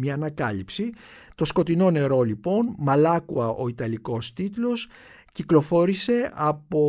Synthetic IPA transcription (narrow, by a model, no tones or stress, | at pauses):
mɲɐːnɐkɐlipsi | t̪o̞sko̞t̪ino̞ne̞ɾo̞lipo̞nmɐlɐkuɐʔo̞it̪ɐliko̞st̪it̪lo̞s | ciklo̞fo̞ɾise̞ɐpo̞